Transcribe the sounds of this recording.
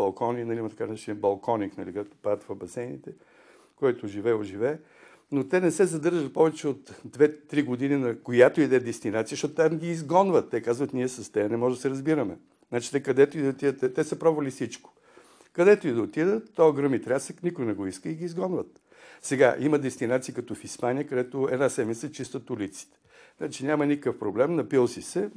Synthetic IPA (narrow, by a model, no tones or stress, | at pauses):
bɐlˠkɔninɐlʲimɐt̪ɐkanaʃibɐlˠkʰɔniknɐlik̪ɛkt̪o̥pat̪vɐbɐsɛjnit̪ɛ | kɔjt̪ʊʒivɛoʒivɛː | not̪ɛnɛsɛzɐd̪ɤɾʒɐt̪̚pɔvɛt͡ʃɛot̪d̪vɛt̪ːɾiɡod̪ininɐkojat̪oid̪ɛd̪ɛst̪inat̪siəʃtɔt̪ʊt̪ʲamɡʲiːzɡɔnvət̪ːɛkazvət̪niɛsɐst̪ɛnɛmɔʒd̪ɐsɛɾɐzbiɾəmɛ̰ | znat͡ʃi̥t̪ɛkɐd̪ɛt̪ʊid̪ɐot̪id̪ət̪ɛt̪ɛsəpɾɔbvəlʲifsit͡ʃko̥ | kɐd̪ɛt̪oid̪ɐot̪id̪ət̪t̪ɔɡɾɤmit̪ɾʲasəknikʊjnɛɡɔiskəiɡʲiizɡɔnvət̪̚ | sɛɡaʔiməd̪ɛst̪inat̪sikɐt̪ɔfispanʲijəkɐd̪ɛt̪oɛ̰d̪nasɛmit̪sət͡ʃist̪ət̪ulit̪si̥t̪ɛ̥ | znat͡ʃinʲamɐnikəkəfpɾoblɛmnɐpilˠsisɛ